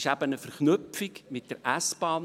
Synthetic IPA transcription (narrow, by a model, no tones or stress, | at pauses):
ʃæb̥ənəfəɾχnʏpfikmɪt̚d̥əɾʔæsb̥ɑːn